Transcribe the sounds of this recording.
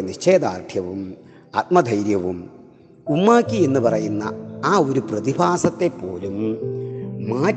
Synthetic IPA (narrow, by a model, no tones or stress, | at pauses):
niɕt͡ɕeːd̪aːrʈʰjɐʋum | at̪̚mɐd̪ʱɐjɾjɐʋum | umːaːkʲːie̞nːɨpɐrɐjunːɐaːo̞ɾuprɐðibʰʱaːsɐt̪ːe̞pːo̞ːlumː | aː